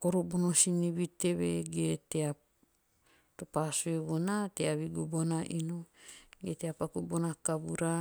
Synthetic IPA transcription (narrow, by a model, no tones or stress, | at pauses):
koɾobonosiniβite̞βeɡetea | topasueβonateaβiɡubonaʔinoɡeteapakubonakabuɾa